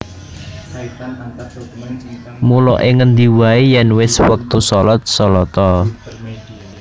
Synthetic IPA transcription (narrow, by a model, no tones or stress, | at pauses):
mulɔʔeŋənd̪iwaijɛnwɪswək̚t̪usɔlɔt̪̚sɔlɔt̪ɔ